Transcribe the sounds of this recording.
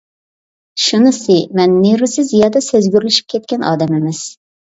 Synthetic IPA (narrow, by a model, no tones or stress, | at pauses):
ʃunɨsɨmɛnːeɾusɪzjɑːd̪ɑsøzɡʲyɾlyʃy̥p̚kʲʰɛt̪̚kʲɛnɑ̰ːd̪ɛmɪmɪz̥